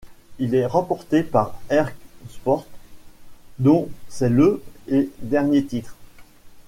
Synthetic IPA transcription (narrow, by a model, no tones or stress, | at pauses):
ilɛʁɑ̃pɔʁt̪epaʁɛʁkspɔʁt̪ | d̪ɔ̃sɛləed̪ɛʁnjet̪it̪χ